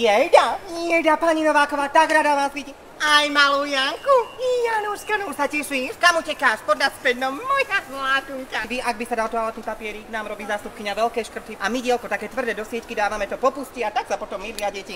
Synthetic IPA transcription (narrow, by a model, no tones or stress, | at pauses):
jɛd̪aɛd̪apaɲinɔʋaːkɔʋaːt̪aɡɾad̪aʋaːzʋiɟi | ajmaluːjaŋkujanuʃkanumsacɛʃikamucɛkaːʃpɔd̪naspɛd̪nɔmɔjsazlat̪ukaʋiʔaɡ̚bisad̪alt̪ɔalɛt̪nipapɪɛɾinaːmɾɔbiːzaːst̪upkiɲaʋɛlkɛːʃkr̩t̪iʔamiɟɪalkɔt̪akɛːt̪ʋr̩d̪ɛd̪ɔsɪɛckid̪aːʋamɛt̪ɔpɔpusciat̪aksapɔt̪ɔmːiɾiaɟɛci